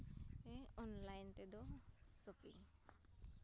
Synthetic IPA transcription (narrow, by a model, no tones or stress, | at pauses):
eɔnlajnt̪ed̪ɔsopḭ